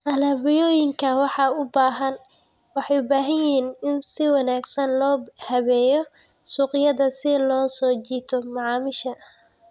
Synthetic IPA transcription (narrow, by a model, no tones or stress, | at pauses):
ʔɐlɐβɪjɔːjɪŋkʰɐwɑħɑʊbaːɦɐn | wɑħɑjʊbaːɦɐnjɪɦiːnɪnsɪwɑnaːɡsɐnlɔːhɐβɛːjɔ | suːqɪjɐðɐsɪlɔːsɔːt͡ʃiːt̪ʰɔmɑʕɑːmɪʃɐ